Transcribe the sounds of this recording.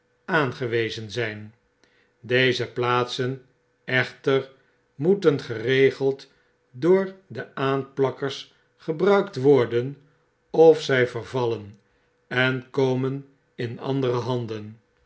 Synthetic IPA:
aːnχəʋejzənzɛjn | dejzəplaːtsən | ɛχtər | mutənχərejχəlˠt | dʊːɹdəaːnplɑkəɹs | χəbrœɥktʋɔɹdən | ɔfsɛjvərvɑlən | ɛnkowmən | ɪnɑ̰ndərəɦɑndən

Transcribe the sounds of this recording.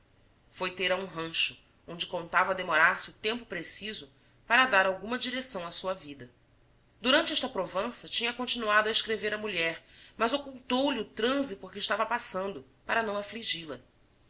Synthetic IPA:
fojt̪eɾɐũɦɐ̃ʃʊ̥ | õñd͡ʒɪkõnt̪avɐd̪emoɾaɾsɪʊt̪ẽmpʊpɾesizʊ | paɾɐd̪aɾawɡũmɐd͡ʒiɾesɐ̃w̃ɐsuɐvid̪ɐ | d̪uɾɐ̃nt͡ʃɪɛʃt̪ɐpɾovɐ̃sɐt͡ʃĩɲɐkõnt͡ʃinuad̪ʊɐeʃkɾeveɾɐmuʎɛɾmɐzokuwt̪owliʊt̪ɾɐ̃zipoɾkɪiʃt̪avɐpasɐ̃nd̪ʊ | paɾɐnɐ̃w̃afliʒilɐ

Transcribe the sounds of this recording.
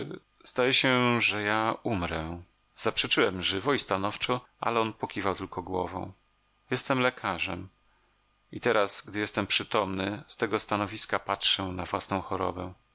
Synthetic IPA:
z̥d̪ajɛɕɛʐɛjaumɾɛ | z̥apʂɛt͡ʂɘwɛmʐɘvɔist̪anɔft͡ʂɔʔa̰lɛɔnpɔkʲivawt̪ɘlkɔɡwɔvɔ̰̃w̃ | jɛst̪ɛmlɛkʰaʐɛm | it̪ɛɾasɡd̪ɘjɛst̪ɛmpʂɘt̪ɔmnɘst̪ɛɡɔst̪anɔvʲiskapatʂɛnavwasnɔ̃w̃xɔɾɔ̰bɛ

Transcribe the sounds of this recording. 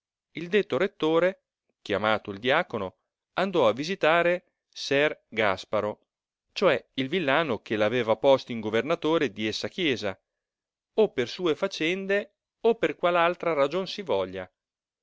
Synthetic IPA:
ild̪et̪ːoɾet̪ːoːɾe | k̟jamaːt̪oild̪iaːkono | and̪ɔavizit̪aːɾe | sɛrɡaspaɾo | t͡ʃoɛilvilːaːnok̟elaveːvapɔst̪oiŋɡovernat̪oːɾed̪iesːakjɛːza | opːersuːefat͡ʃɛnd̪e | opːerkwalalt̪ɾaɾad͡ʒonsivɔʎːa̰

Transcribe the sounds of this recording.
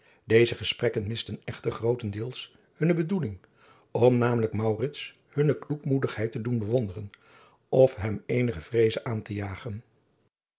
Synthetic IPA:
dejzəχəsprɛkənmɪstənɛχtərχrowtəndɪːlˠs | hɵnəbədulɪŋ | ɔmnaːmələkmɑwrɪts | hɵnəklukmudəχɦɛjtədunbəʋɔndərən | ʔɔfɦɛmejnəχəv̥rejzəʔaːntəjaːχən

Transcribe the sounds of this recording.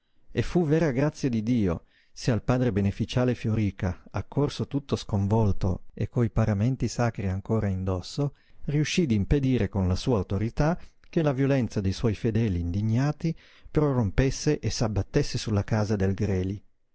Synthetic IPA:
efːuvɛːɾaɡɾat̪sːjad̪id̪iːo̰ | sealpaːd̪ɾebenefit͡ʃaːlefjoɾiːkaakːorsot̪ut̪ːoskoɱvɔlt̪o̰ḛkʰːoipaɾament̪isaːkɾiaŋkoːɾaind̪ɔsːo | riuʃːid̪imped̪iːɾekonlasuːaut̪oɾit̪ak̟elavjolɛnt̪sad̪ejswɔjfed̪ɛːliːnd̪iɲːaːt̪i | pɾorompesːeʔesabːat̪ːesːesulːakaːzad̪elɡɾɛːli

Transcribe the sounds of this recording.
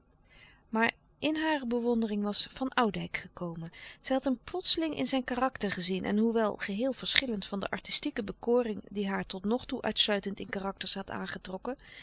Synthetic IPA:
maːɹ | ʔɪnɦaːrəbəʋɔndərɪŋʋɑsfɑnʔɑwdɛjkχəkowmənz̥ɛjɦɑtɦəmplɔtsəlɪŋʔɪ̰nzɛjnkaːrɑktəɹχəzinʔɛ̰nɦuʋɛlˠχəɦɪːlˠv̥əɹsχɪləntfɑndə̰ʔɑ̰ɹtistikəbəkoːrɪŋdiɦaːɹtɔtnɔχtuʔœ̰ɥtslœɥtəntɪnkaːrɑk̚təɹsɦɑta̰ːnχətrɔkə

